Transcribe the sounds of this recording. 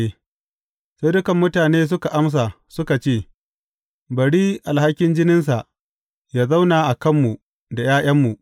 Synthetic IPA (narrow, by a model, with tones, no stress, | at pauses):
e˦ | sa˦jdʊ˦kɐ˨mːʊ˦taː˨neː˦s̬ʊ˦ka˨ʔa˦ms̬a˨ | sʊ˦ka˨t͡ʃeː˦˨ | bɐ˨ɽiː˦ʔa˨lha˦kʲɪ˦nd͡ʒɪ˦nɪ˦nsa˨ʔ | jaː˦za˦wnaː˨ʔa˨kɐ˦mːu˨ | da˨jaː˦j̰ɐ˦mːu˨ʔ